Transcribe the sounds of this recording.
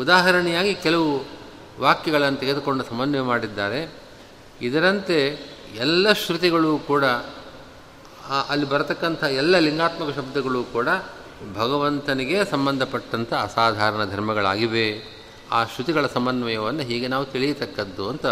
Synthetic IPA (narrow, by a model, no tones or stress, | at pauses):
ud̪aːɦɐɾɐɳɛjaːɡikɛlɐʋu | ʋaːkjɐɡɐɭɐnːɐt̪eɡe̞d̪uko̞ɳɖusɐmbɐnʋemaːɽid̪ːaːɾe̞ | id̪ɐɾɐnt̪e̞ | ɛlːɐʃɾut̪̬iɡɐɭuːkuːɽɐ | ʔɐlːibɐɾɐt̪ɐkːɐnt̪ʰɐɦɐɛlːɐliŋɡaːt̪mɐkɐʃɐb̚d̪ɐɡɐɭuːkuːɽɐ | bʱɐɡɐʋɐnt̪ɐniɡe̞sɐmbɐnd̪ʱɐpɐʈːɐnt̪ʰɐːsaːd̪ʱaːɾɐɳɐd̪ʱɐɾmɐɡɐɭa̰ːɡiʋe | aːʃɾut̪iɡɐɭɐsɐmbɐnʋɐjɐʋɐnːɐɦiːɡe̞naːʋut̪iɭijɐt̪ɐkːɐd̪ːuɐnt̪ɐ